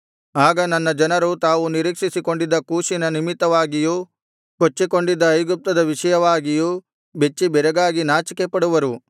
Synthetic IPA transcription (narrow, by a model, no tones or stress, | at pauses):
aːɡɐnɐnːɐd͡ʒɐnɐɾut̪aːʋuniɾiːkʂisiko̞ɳɖid̪ːɐkuːʃinɐnimit̪ːɐʋaːɡiju | kot͡ʃːiko̞ɳɖid̪ːɐːjɡup̚t̪ɐd̪ɐʋiʂɐjɐʋaːɡiju | bet͡ʃːibɛɾɐɡaːɡinaːt͡ʃikepɐɽuʋɐɾu